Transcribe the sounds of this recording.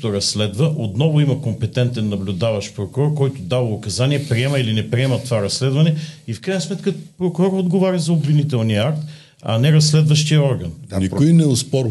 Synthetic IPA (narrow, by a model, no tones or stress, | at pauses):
t̪oɾɐsːlɛd̪vəʔot̪nɔvʊimɐkompɛt̪ɛnt̪ɛnːɐblʲʊd̪avɐʃpɾokʊɾɔɾkɔjt̪ʊd̪avʊkɐzaniɛpɾiɛmɐilinɛpɾiɛmɐt̪ovaɾɐslɛd̪vɐnɛifkɾajnəsmɛt̪kəpɾokʊɾɔɾod̪ɡovaɾɐzɐobvinit̪ɛlˠniəakt̪ | ɐ̰nɛɾɐsːlɛd̪vɐʃt̪ijəɔɾɡɐnipʊinɛʊspɔɾ